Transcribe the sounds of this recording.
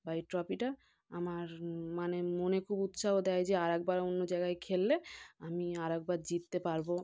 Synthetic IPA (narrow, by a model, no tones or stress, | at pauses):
baiʈɾɔpiʈa | amaɾmanemonekʰubut̪ʃaɦod̪ɛjd͡ʑeaɾɛk̚baɾonːod͡ʑajɡaekʰelːeamiaɾɛk̚baɾd͡ʑit̪ːepaɾbo